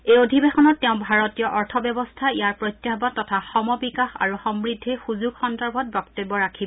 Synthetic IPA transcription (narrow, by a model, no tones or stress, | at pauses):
ejodʱibexɔnɔtːɛʊ̃bʱaɹɔtijɔʔɔɹtʰɔbjɔbɔstʰaijaɹpɹojtːjabɔtːɔtʰaxɔmɔbikaxa̰ɹuxɔmɹidʱːixuzuɡxɔndaɹbʱɔt̚bɔktebːɔɹakʰib